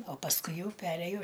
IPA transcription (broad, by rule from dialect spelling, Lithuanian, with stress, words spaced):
oː pɐsˈkʊɪ ˈjɛʊ ˈpʲæːrʲeːjoː